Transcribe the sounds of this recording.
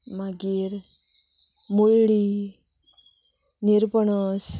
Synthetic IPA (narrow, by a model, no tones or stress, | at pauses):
maɡiːɾ | muɭɽi | niɾpəɳəs